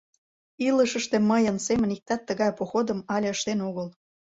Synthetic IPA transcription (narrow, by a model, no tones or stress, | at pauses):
iləʃəʃt̪eməjənsemənik̚t̪ɑt̪ːəɣɑjpoxod̪əmɑlʲəʃt̪enoɣəl